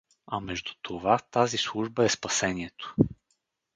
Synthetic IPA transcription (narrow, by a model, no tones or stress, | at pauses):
ɐmɛʒd̪ut̪ʰovat̪azislˠuʒbəɛspɐsɛniɛt̪o̥